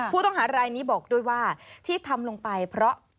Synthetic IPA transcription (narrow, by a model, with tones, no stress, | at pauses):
uː˥˩t̪ɔ˥˩ŋɦaː˩˦ɾaː˧jniː˦˥bɔː˨˩k̚du˥˩əjwaː˥˩t̪ʰiː˥˩t̪ʰa˧mlo˧ŋpa˧jpʰɾɔ˦˥ʔ